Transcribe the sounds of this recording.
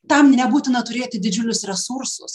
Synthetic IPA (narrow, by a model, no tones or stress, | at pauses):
t̪ɐmnʲɛbuːt̪ʲɪnɐt̪ʊɾʲeːt̪ʲɪd̪ʲɪd͡ʒʲʊlʲʊsɾʲɛsʊɾsʊs